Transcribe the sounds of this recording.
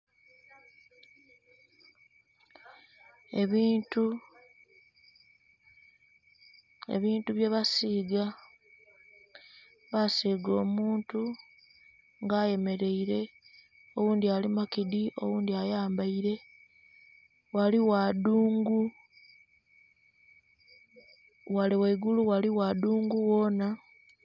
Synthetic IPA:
tu | e̞̰βiːntuβjeːβasiːɡa | βasiːɡo̞ːmuːntu | ŋɡaːje̞me̞ɾe̞iɾe̞ | o̞wuːndialimakidiʔo̞̰wuːndiajaːmbaiɾe̞ | waliwaduːŋɡu | waliwaiɡuluɣwaliwaduːŋɡuwo̞ːna

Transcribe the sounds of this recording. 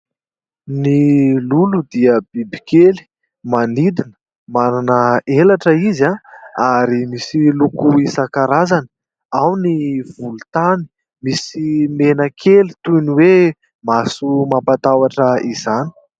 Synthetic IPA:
nilulud̪iəb̥ibikeli̥ | manid̪inə̥ | mananəelaʈ͡ʂəizaaɾimisilukuisakaɾazanə̥ | awniv̥ulut̪ani̥ | misimenəkʰelit̪uniwe | masumapat̪awaʈ͡ʂəizani̥

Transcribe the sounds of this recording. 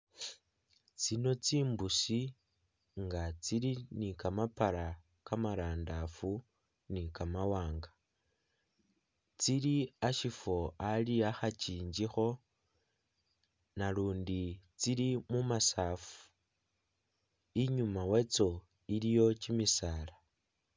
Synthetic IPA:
t͡sino̞t͡siːmbusi | ŋɡat͡silinikamapaɾa | kamaɾaːndafu | nikamawaːŋɡa | t͡siliaʃifo̞aliaxat͡ʃiːɲd͡ʒixo̞ | naluːndit͡silimumasaːfu̥ | iɲumawe̞t͡so̞ | ilijo̞t͡ʃimisaːla

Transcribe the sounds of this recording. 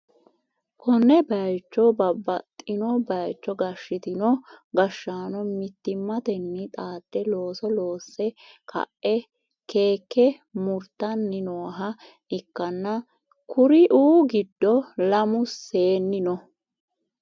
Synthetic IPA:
kʰɔnːɛbɐjt͡ʃːɔbɐbːɐt̪ʼːɪnɔbɐjt͡ʃːɔɡɐʃːɪt̪ɪnɔɡɐʃːaːnɔmɪt̪ːɪmːɐt̪ɛnːɪt̪ʼaːt̪ːɛlo̞ːsɔlo̞ːsːɛkʰɐ̰ʔɛ | ke̞ːkːɛ | mʊɾt̪ːɐnːɪnoːɦɐ | ʔɪkːɐnːɐ | kʰʊɾɪʔuːɡɪd̪ːɔlɐmʊse̞ːnːɪnɔ

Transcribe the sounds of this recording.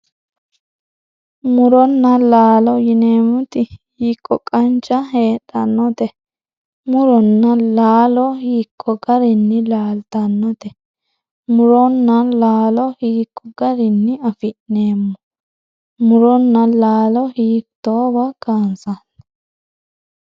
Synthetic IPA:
mʊɾɔnːɐlaːlɔjɪne̞ːmʊt̪ɪhiːkʼːɔkʼɐnt͡ʃʼːɐɦe̞ːɗɐnːɔt̪ɛ | mʊɾɔnːɐlaːlɔhiːkʰʼːɔɡɐɾɪnːɪlaːlt̪ɐnːɔt̪ɛ | mʊɾɔnːɐlaːlɔhiːkʼːɔɡɐɾɪnːɪɐfɪʔne̞ːmːɔ | mʊɾɔnːɐlaːlɔhiːkt̪ːoːbɐɡ̥aːnsɐn

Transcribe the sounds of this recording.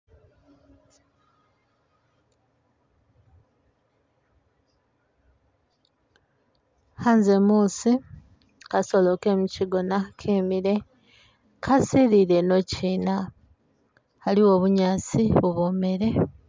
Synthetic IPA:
haːnzemuːsi | kaso̞lo̞ke̞muciɡo̞nakʰiːmiɾe̞ | kʰasiɾiɾe̞no̞ciːna | haliwo̞ːβuɲaːt͡siβuβoːme̞ɾe̞

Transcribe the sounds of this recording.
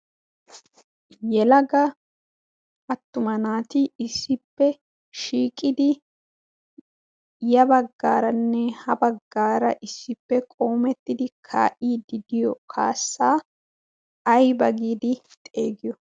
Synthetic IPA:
jɛlɐɡɐ | ɐt̪ːʊmɐnaːt̪ɪɪsːɪpːɛ | ʃiːkʼɪd̪ɪ | jɐbɐɡːaːɾɐnːɛhɐbɐɡːaːɾɐ̰ʔɪsːɪpːɛkʼo̞ːmɛt̪ːɪd̪ɪkʰa̰ːʔiːd̪ɪd̪ɪjɔkʰa̰ːsːaː | ɐjbɐɡiːd̪ɪ | t̪ʼe̞ːɡɪjɔ

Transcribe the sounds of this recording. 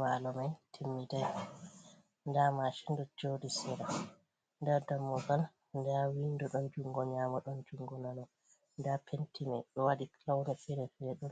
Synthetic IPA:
malɔmajtʰimːidɛ | ndamaʃindɔd͡ʒodisɛɾa | ndaɾdamːɔɡal | ndawindɔɗɔnd͡ʒuŋɡɔɲaːmɔɗɔnd͡ʒuŋɡɔnanɔ | ndapʰentʰima̰jɗɔwadiklawnɛfɛɾɛfɛɾɗɔn

